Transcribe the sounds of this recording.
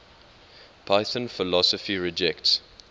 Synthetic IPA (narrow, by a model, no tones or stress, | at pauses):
pʰaɪθə̃nfɪlɔsəfiɹɪd͡ʒɛkts